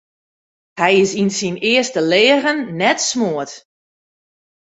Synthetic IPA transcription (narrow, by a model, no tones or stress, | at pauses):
hɛjɪsinsinɪəstəleːəɣənːɛtsmoət